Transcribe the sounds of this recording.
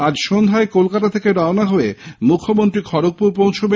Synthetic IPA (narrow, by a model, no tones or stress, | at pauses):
ad͡ʑʃond̪ʱaekolkat̪at̪ʰekeɾaonaɦoemukʰːomont̪ɾikʰɔɾok̚puɾpowt͡ɕʰobe